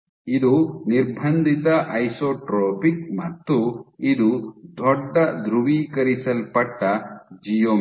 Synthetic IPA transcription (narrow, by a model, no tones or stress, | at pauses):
id̪uniɾbʱɐnd̪ʱit̪ɐʔɐjsoʈɾɔpik̚mɐt̪ːuid̪ud̪ʱɔɖːɐʔd̪ɾuwikɐɾisɐlpɐʈːɐd͡ʒijom